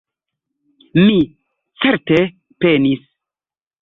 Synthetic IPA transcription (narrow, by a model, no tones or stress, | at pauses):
mi | t͡seɾte | penis